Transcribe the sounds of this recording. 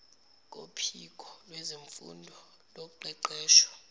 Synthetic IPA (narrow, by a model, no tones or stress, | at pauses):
k̬ʼo̰pʰik̬ʰʼɔlwɛzeɱfṵndʱɔ | loǃɛǃɛːʃɔ̥